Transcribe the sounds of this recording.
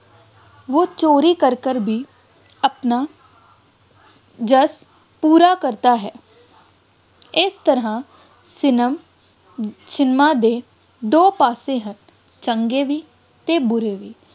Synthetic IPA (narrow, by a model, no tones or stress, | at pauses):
ʋoːt͡ʃoːɾiːkəɾkəɾbʱiː | əpnaː | d͡ʒəs | puːɾaːkəɾt̪aːɦɛː | ɪst̪əɾãː | sɪnəm | t͡ʃɪnmaːd̪eː | d̪oːpaːsẽːɦən | t͡ʃə̃ŋɡeːʋiː | t̪eːbʊɾeːʋiː